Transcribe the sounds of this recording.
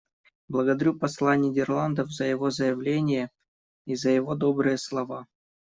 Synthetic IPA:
blˠəɡəd̪ɐɾʲupɐslˠanʲɪdʲɪrlˠand̪əfzəjɪvo̞zəjɪvlʲenʲɪjə | izəjɪvod̪obɾɨjəslˠɐva

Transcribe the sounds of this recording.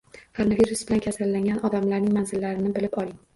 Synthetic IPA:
kʰoɾonaviɾusbɪlankʲʰasalːaŋɡʲanʔɒd̪amlaɾnɪŋmanzɪlːaɾɪnɪbɪlɪpɒlˠɪŋ

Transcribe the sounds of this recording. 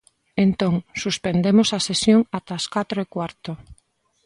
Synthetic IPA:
ent̪oŋsuspend̪emosɐsesjoŋat̪askat̪ɾoekwaɾt̪o

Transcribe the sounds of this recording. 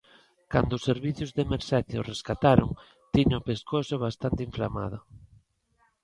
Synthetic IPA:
kand̪oʊseɾβiθjʊzðemeɾsɛθjʊreskat̪aɾʊ̰ŋ | t̪iɲʊpeskosʊβ̞ast̪ant̪eiɱfla̰ma̰ðʊ

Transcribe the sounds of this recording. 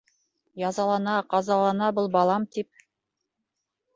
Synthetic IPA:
jɑzɑlˠɑnɑqɑzɑlˠɑnɑbɤlˠbɑlˠɑmt̪ip̚

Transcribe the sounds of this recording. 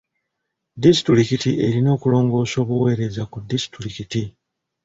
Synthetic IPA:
disi̥tɾuɾikitiʔe̞ɾino̞ːkulo̞ːŋɡo̞ːso̞ːβuwe̞ːɾe̞zakudisi̥tuɾikiti

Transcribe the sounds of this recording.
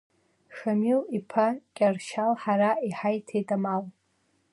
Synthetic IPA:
ʂamilipʰakʲʼarʃalħaɾaiħajtʰejtʼamal

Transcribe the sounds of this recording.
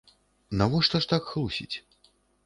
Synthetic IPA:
navɔʂt̪ɐʂt̪akxlˠusʲḭt͡sʲ

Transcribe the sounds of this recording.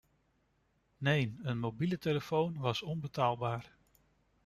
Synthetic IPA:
nejnənmowbiləteləfownʋɑsɔnbətaːlˠbaːɹ

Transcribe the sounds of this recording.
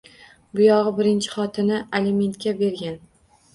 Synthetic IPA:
bʊjɒʁɨbɪɾɪnt͡ʃʰɪ̥χɒt̪ʰɪnɪelʲime̞nt̪̚kʲabe̞ɾɡʲan

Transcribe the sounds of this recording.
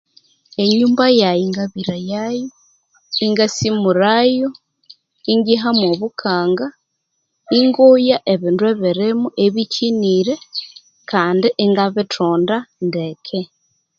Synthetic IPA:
eɲuːmbajajiŋɡaβiɾajajo | iŋɡasimuɾajo | iŋɡiɦamoβukʰaːŋɡa | iŋɡojaʔeβiːndweβiɾemuʔeβiciniːɾe | kʰaːndiʔeŋɡaβitʰoːndandekʰe

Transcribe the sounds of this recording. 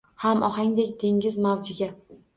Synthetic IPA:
hamʔɒhaŋd̪ekʲd̪e̞ŋɡʲɪzmawd͡ʒɪɡʲa

